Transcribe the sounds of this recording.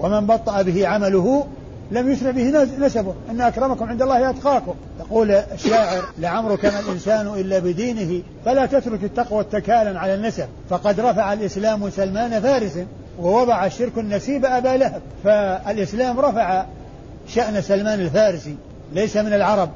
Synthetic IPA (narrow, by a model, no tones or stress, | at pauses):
wamɪnbɑt̪ˤːɑʔabɪhɪʕamalʊhʊ | lamjʊsɾɪʕbɪhnasabʊhʔɪnːaʔakɾˤɑmakʊmʕɪnd̪alːɑːhjʔat̪qɑːkʊmt̪ɑquːlaʃːaːʕɪɾlɪʕamɾʊkaːnalʔɪnsaːnʔɪlːabɪd̪iːnɪhɪ | falaːt̪at̪ɾʊkɪt̪ːɑqwat̪ːakaːlanʕalanːasab̚fɑqɑd̪ɾˤɑfaʕalʔɪslaːmʊsalmaːnafaːɾɪsan | wɪwɑðˤɑʕaʃɪɾkanːasiːbaʔabalahab̚faalʔɪslaːmɾˤɑfaʕa | ʃaʔnasalmaːnɪlfaːɾɪsi | lejsamɪnalʕɑɾˤɑb̚